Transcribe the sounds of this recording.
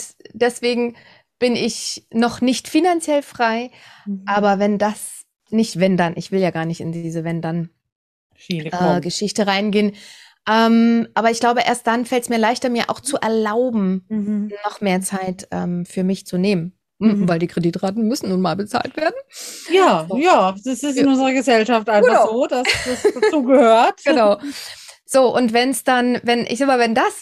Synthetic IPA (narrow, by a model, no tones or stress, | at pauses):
d̥ɛsv̥eːɡŋ̩ | b̥ɪnʔɪçnɔχnɪçtfinant͡sjɛlfʁ̥aɪʔaːbɐvɛndas | nɪçtv̥ɛndanʔɪçv̥ɪljaːɡaːɐnɪçtɪ̰ndiːzəvɛndan | ʔɛːɡəʃɪçtəʁaɪnɡeːən | ʔɛːmʔaːbɐɪçɡ̥laʊbəʔḛːɐst̚d̥anfɛltsmiːɐlaɪçtɐmiːɐʔa̰ʊxt͡suʔɛɐlaʊbm̩nɔχmeːɐt͡saɪtʔɛ̰ːmfyːɐmɪçt͡suneːmən | m̩vaɪldiːkʁ̥ediːtʁaːtn̩mʏsn̩nuːnmaːlbət͡sa̰ːltv̥eːɐdn̩jaːojaːdasɪsnʊnzəʁɐɡəzɛlʃaftʔaɪnfz̥oːdasd̥asd̥at͡suːɡəhøːɐtɡ̥ənaʊ | z̥oːʔʊntv̥ɛnsd̥anvɛnʔɪ̰çzamaːvɛndas